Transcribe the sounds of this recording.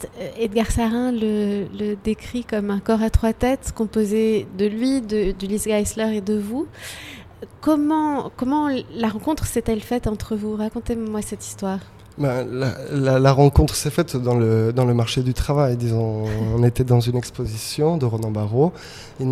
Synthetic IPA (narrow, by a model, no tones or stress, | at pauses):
ed̪əɡaʁsaʁɛ̃lələd̪ekχikɔmɛ̃kɔʁat̪χwat̪ɛt̪kɔ̃pozed̪əlɥid̪əd̪ylisɡajslœʁed̪əvu | kɔmɑ̃kɔmɑ̃laʁɑ̃kɔ̃t̪χəsɛt̪ɛlfɛt̪ɑ̃t̪χəvuʁakɔ̃t̪emwasɛt̪i̥st̪waːʁ | bɛ̃lalalaʁɑ̃kɔ̃t̪χəsɛfɛt̪d̪ɑ̃ləd̪ɑ̃ləmaʁʃed̪yt̪χavajd̪izɔ̃ːnet̪ɛd̪ɑ̃zynɛkspozisjɔ̃d̪əʁɔnɑ̃baʁo | i